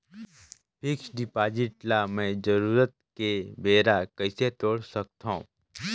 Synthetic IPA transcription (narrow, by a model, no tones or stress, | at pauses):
pʰɪksɖɪpaːd͡ʒɪʈlamẽd͡ʒəɾuːɾət̪̚kebeːɾakəɪset̪oːɽsək̚t̪aṵ̃ː